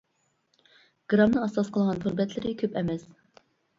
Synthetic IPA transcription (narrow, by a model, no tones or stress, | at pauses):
ɡ̥ɾɑmnɨɑsɑsqəlˠʁɑntʰuɾbɛt̪ʰlɪɾɪkʲʰøpɛmɛs